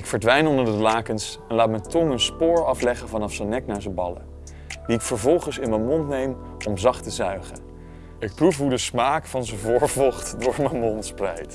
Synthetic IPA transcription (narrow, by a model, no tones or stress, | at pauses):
ɪkfəɹdʋɛjnɔndəɹdəəlaːkənsɛnlaːt̚mɛjtɔŋənspʊːɹɑflɛχənvɑnɑfsənɛknaːɹzəbɑlə̰ | diɪkfəɹvɔlˠχənsɪnmənmɔntnejm | ɔmzɑχtəzœɥχə | ɪk̚prufɦudəsmaːkfɑnzəvʊːɹvɔχtdʊːɹmənmontsprɛjt